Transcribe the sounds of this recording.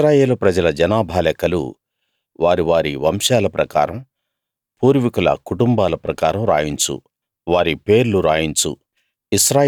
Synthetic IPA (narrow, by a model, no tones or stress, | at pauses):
ɾaːjeːlupɾɐd͡ʒɐlɐd͡ʒɐnaːbʱaːlɛkɐlṵ | ʋaːɾiʋaːɾiʋɐmʃaːlɐpɾɐkaːɾɐm | puːɾʋikulɐ̰kuʈumbaːlɐpɾɐkaːɾɐmɾaːjiɲt͡ʃṵ | ʋaːɾipe̞ːɾluɾaːjiɲt͡ʃṵ | isɾaː